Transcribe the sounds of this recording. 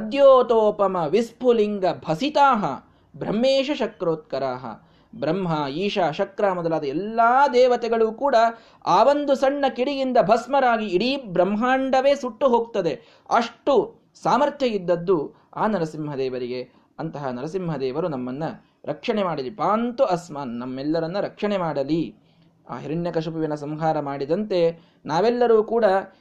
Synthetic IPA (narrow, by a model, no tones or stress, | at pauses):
ɐd̪joːt̪oːpɐmɐʋispʰuliŋɡɐbʱɐsit̪aːɦɐ̰ | bɾɐ̰mːeːʃɐʃɐkɾoːt̪̚kɐɾaːɦɐ̰ | bɾɐmɦɐiːʃaːʃɐkɾaːmɐd̪ɐlaːd̪ɐɛlːaːd̪ɛːʋɐt̪ɛɡɐɭuːkuːɽɐ | aːʋond̪usɐɳːɐkiɽiɡind̪ɐbʱɐsmɐɾaːɡiːɽibɾɐmɦaːɳɖɐʋe̞ːsuʈːuɦoːɡt̪ɐd̪e̞ | ɐʂʈu | saːmɐɾt̪ʰjɐjid̪ːɐd̪ːu | aːnɐɾɐsimɦɐd̪ɛːʋɐɾiɡe̞ | ɐnt̪ɐɦɐnɐɾɐsimɦɐd̪ɛːʋɐɾunɐmːɐnːɐ | ɾʔɐkʂɐɳemaːɽɐlipaːnt̪uʔɐsmaːnnɐmːɛlːɐɾɐnːuɾɐkʂɐɳemaːɽɐli | a̰ːɦiɾɐɳjɐkɐʂupiʋɐnɐsɐmɦaːɾɐmaːɽid̪ɐnt̪e̞ | naːʋɛlːɐɾuːkuːɽɐ